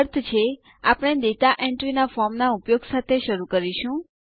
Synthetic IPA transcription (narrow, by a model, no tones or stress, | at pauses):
ɾt̪ʰt͡ʃʰe | apɽ̃ed̪et̪aʔɛɳʈɾinafɔɾmnaupjoɡsat̪ʰeʃəɾukəɾiʃũ